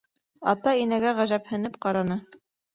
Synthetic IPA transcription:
ɑ̰t̪ɑinæɡæʁæʒæphɘ̆nɘp̚qɑɾɑnɤ

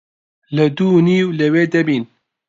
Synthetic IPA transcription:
ləd̪uːniːwlɛweːd̪ɛbiːn

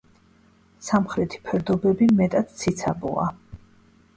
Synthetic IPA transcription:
samχɾɛt̪ʰi̥pʰɛɾd̪ɔbɛbimɛt̪ʼad̪̥t̪sʰit̪sʰabɔ̰a̰

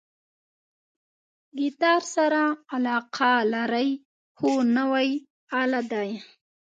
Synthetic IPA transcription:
ɡit̪ɑɾsaɾaːlɑqʰalaɾaj | honəwaj | alad̪aj

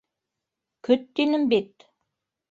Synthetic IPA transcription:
kɵt̪ːinɘ̆mbit̪

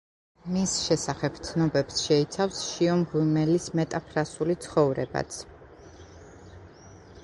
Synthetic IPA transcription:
misʃɛsaχɛb̚t̪sʰnɔbɛpsʃɛit̪sʰafsʃiɔmʁimɛlismɛt̪ʼapʰɾasulit̪sʰχɔvɾɛba̰t̪sʰ

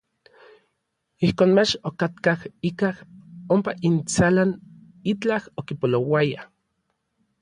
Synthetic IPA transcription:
ihkoːnmat͡ʃokat̪kahikahompaʔint͡salan | it͡ɬahokipolowaja

